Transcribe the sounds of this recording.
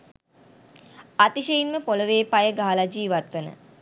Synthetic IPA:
at̪iʃejinməpoləʋeːpajəɡaɦalad͡ʒiːʋat̪ʋənə̰

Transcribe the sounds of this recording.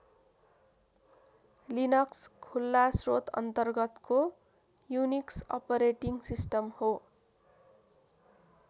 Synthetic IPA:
linʌkskʰulːasrot̪ʌ̰nt̪ʌrɡʌt̪ko | juniksʌ̰pʌɾeʈiŋsisʈʌmho

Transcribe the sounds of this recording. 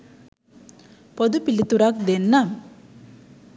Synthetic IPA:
pɔd̪upilit̪uɾak̚d̪enːam

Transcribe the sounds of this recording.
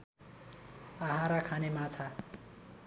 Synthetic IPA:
aɦaɾakʰanemat͡sʰa

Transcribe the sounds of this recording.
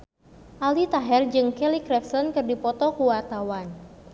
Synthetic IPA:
ʔalit̪aɦɛrd͡ʒɨŋkɛlikɾɛfsɔnkɨrdipɔt̪ɔkuwart̪awan

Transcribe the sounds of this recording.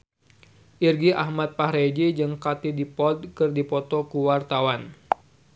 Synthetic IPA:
ʔirɡiʔahmat̪̚pahɾed͡ʒid͡ʒɨŋkat̪idipɔd̚kɨrdipɔt̪ɔkuwart̪awan

